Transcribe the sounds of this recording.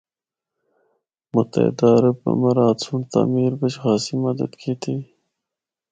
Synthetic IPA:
mʊt̪ɐ̰ɪ̰d̪aːɾəbɐ̰mɐɾɑːt̪suɳt̪a̰ːmiːɾbət͡ʃxɑːsimɐd̪ɐ̰d̪kʰiːt̪ʰi

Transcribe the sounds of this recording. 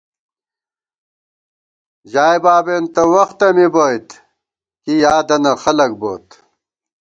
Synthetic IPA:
d͡ʑaːjbaːbeːnt̪ɐwɐxt̪ɐmibojt̪ | kijaːd̪ɐnɐxɐlɐk̚boːt̪

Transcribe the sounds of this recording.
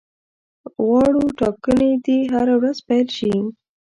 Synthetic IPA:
ɣɑɽuʈɑkəned̪iɦaɾawɾazpajlʃi

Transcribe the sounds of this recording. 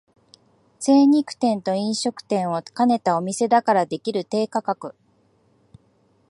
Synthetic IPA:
se̞ːɲ̟ikɯ̟̥t̪ẽ̞nt̪o̞ĩɰ̃ɕo̞kɯ̟̥t̪ẽ̞ɰ̃o̞kane̞t̪ao̞mʲise̞d̪akaɾad̪e̞kʲiɾɯ̟t̪e̞ːkakakɯ̟

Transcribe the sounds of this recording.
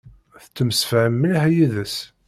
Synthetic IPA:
θət͡sːəmsəfʕəmːilɦæjiðəs

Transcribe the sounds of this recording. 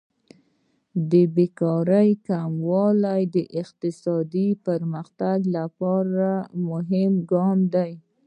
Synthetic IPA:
d̪əbekɑɾəjkamwɑlajd̪əʔɪqt̪ɪsɑd̪ipəɾməxt̪aɡlapɑɾamʊɦɪmɡɑmd̪aj

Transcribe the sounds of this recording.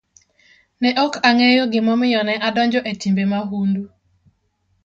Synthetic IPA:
nɛʔɔkaŋɛjoɡɪmɔmɪjɔnɛʔadɔnd͡ʒɔʔetimbemaɦundu

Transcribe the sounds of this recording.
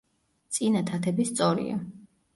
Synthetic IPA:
t̪sʼinat̪ʰat̪ʰɛbist̪sʼɔɾḭa̰

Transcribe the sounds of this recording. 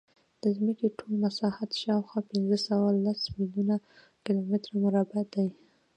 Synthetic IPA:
d̪̥əzməkiʈʰolnasɑhat̪ʃɑwxwɑpɪnzəsawalasmɪljuna | kɪlomɪt̪ɾamʊɾɑbad̪aj

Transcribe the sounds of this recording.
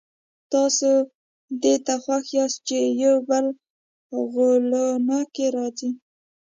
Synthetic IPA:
t̪ɑso | d̪et̪axwaxjɑst̪̚t͡ʃejawbəl | ɣolonɑkeɾɑzi

